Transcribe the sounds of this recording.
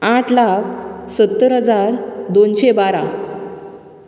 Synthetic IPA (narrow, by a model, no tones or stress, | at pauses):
aʈʰlakʰsət̪ːəɾɦəd͡zaɾd̪onɕebaɾa